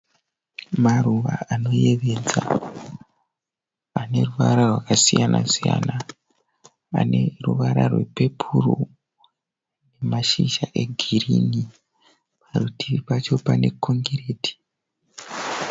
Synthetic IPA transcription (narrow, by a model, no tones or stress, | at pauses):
maruʋaano̞je̞ʋe̞d͡za | ane̞ruʋaɾarwakasijanʔasija̰na | ane̞ruʋaɾarwe̞̰pe̞pʰuro̰ | ne̞maʃiʃaʔe̞ɡʱiirini | parutʰiʋipat͡ʃo̞pane̞kʰo̞ŋɡeɾe̞ːtʰi̥